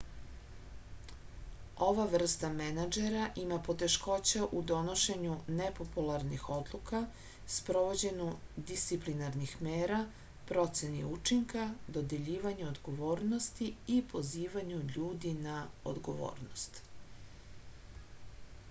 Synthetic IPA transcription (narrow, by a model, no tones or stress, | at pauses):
o̞ʋaʋr̩st̪amenad͡ʒeɾaʔimapo̞t̪e̞ʃko̞t͡ɕaʔud̪o̞no̞ʃe̞ɲunepo̞pulˠaɾnixo̞d̪lˠuka | spɾo̞ʋo̞d͡ʑe̞nud̪ist̪iplinaɾnixmeːɾa | pɾo̞t̪se̞niut͡ʃiŋkad̪o̞d̪e̞ʎiːʋaɲuod̪ɡo̞ʋoːɾno̞st̪iipo̞ziːʋaɲuʎuːd̪inao̰d̪ɡo̞ʋo̰ːɾnost̪